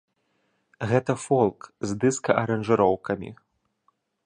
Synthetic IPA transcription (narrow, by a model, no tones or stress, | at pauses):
ɣɛt̪ɐfɔlˠkzd̪ɨskɐʔɐɾɐnʐɨɾɔwkɐmʲḭ